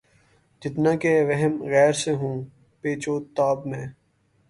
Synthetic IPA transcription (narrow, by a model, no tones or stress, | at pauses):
d͡ʒɪt̪nãːkeʋɐɦɛmɣɛːɾseɦũː | peːt͡ʃoːt̪aːbmẽː